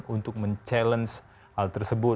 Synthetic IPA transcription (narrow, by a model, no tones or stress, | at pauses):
unt̪ʊk̚məɲt͡ʃɛləns | halt̪ərsəbʊ